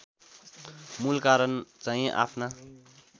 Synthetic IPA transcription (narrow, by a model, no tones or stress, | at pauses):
mulkaɾʌnt͡saĩʔa̰pʰna